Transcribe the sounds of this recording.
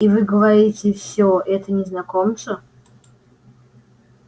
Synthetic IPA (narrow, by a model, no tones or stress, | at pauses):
ivɨɡəvɐɾʲitʲɪfsʲoʔɛt̪ənʲɪznɐkomsə